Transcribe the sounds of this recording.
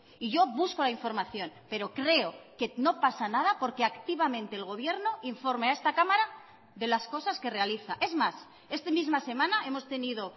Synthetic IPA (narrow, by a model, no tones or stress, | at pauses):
iʝo̞βusko̞laiɱfo̞ɾmaθjo̞npe̞ɾo̞kɾe̞oke̞no̞pasanað̞apo̞ɾkeakt̪iβamẽnt̪e̞ːlɣo̞β̞je̞ɾno̞ʔiɱfo̞ɾmeaest̪akamaɾa | ðe̞lasko̞saske̞re̞aliθaʔe̞zmas | e̞st̪emizmase̞mãnae̞mo̞st̪e̞niðo̞